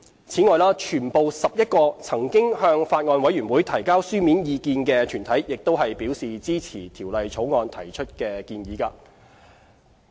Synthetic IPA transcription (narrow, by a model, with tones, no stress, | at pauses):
t͡sʰiː˨˥ŋɔː˨˧jlaː˥t͡ʃʰyː˨˩npo˨wsɐ˨p̚jɐ˥t̚kɔː˧t͡sʰɐ˨˩ŋkɪ˥ŋhœː˧ŋfaː˧t̚ŋɔː˧nwɐ˨˥jyː˨˩nwuː˨˥jt̪ʰɐ˨˩jkaː˥wsyː˥miː˨˥njiː˧kiː˧nkɛː˧t̪ʰyː˨˩nt̪ʰɐ˨˥jjɪ˨k̚t̪o˥wɦɐ˨jpiː˨˥wsiː˨t͡siː˥t͡sʰiː˨˩t̪ʰiː˨˩wlɐ˨jt͡ʃʰo˨˥wŋɔː˧nt̪ʰɐ˨˩jt͡ʃʰɵ˥t̚kɛː˧kiː˧njiː˨˥kaː˧